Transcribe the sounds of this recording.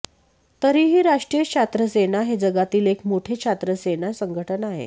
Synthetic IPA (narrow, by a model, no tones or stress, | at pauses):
t̪əɾiːɦiːɾaʂʈɾijəkɕʰat̪ɾəsenaɦed͡zəɡat̪iːlekmoʈʰet͡ɕʰat̪ɾəsenasəŋɡʱəʈʰənaɦḛ